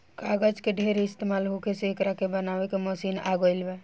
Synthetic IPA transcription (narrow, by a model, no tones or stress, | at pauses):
kaɡəd͡ʒkeɖʱeɾeɪst̪emalɦokeseːkɾakebənawekeməsina̰ɡoɪlbɛ